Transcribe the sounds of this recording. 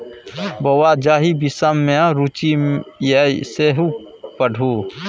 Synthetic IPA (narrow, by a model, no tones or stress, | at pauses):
bowad͡ʒaːɦibisamːẽãɾut͡ʃijeiseɦu | pəɽʱu